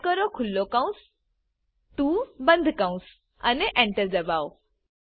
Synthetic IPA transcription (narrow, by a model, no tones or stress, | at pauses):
kəɾokʰulːɔkãw̃s | t̪uːbənd̪ʱkãw̃s | a̰neʔɛ̃ɳʈəɾd͡zəbaw